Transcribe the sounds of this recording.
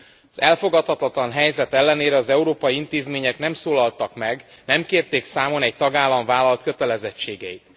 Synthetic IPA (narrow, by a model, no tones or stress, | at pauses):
ɒzɛlfo̞ɡɒt̪hɒt̪ɒt̪lɒnɦɛjzɛt̪ɛlːɛneːɾɛɒzɛuɾoːpɒjiint̪eːzmeːɲɛknɛmsoːlɒlt̪ɒkmɛɡnɛmkeːrt̪eːksaːmo̞nɛɟ̚t̪ɒɡaːlːɒɱvaːlɒlt̪køt̪ɛlɛzɛt͡ʃːeːɡɛjit̪